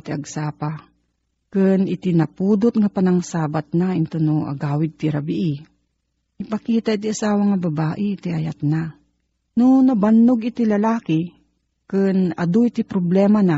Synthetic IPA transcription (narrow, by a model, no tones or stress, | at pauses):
t̪iɐɡsaːpa | kɨnɪt̪inɐpuːd̪ʊt̪ŋapɐnaŋsaːbat̪̚naɪnt̪ʊnoʔɐ̰ɡaːwɪd̪̚t̪ɪɾabɪʔi | ɪpɐkiːt̪aʔit̪iʔasaːwaŋabɐbaːʔɪɪt̪iʔɐjat̪̚na | nʊnɐbanːʊɡɪt̪ilɐlaːkɪ | kɨnɐ̰d̪oit̪ipɾoblɛːmana